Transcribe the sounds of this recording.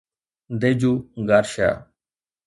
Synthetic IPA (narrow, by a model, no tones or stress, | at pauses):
d̪eːd͡ʒuːɡaːɾʃa̰ː